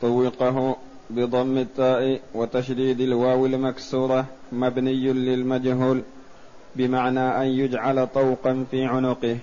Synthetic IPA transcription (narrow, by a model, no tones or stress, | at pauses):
t̪ˤɑwːɪqɑɦʊ | bɨd̪ˤɑmːɪt̪ˤːɑːʔiwɪt̪aʃd̪iːd̪alwaːwɪlmaksuːɾˤɑmabnɪjːlɪlmad͡ʒɦuːl | bɪmaʕnaːʔanjʊd͡ʒʕalt̪ˤɑwqɑnfiːʕʊnʊqɪh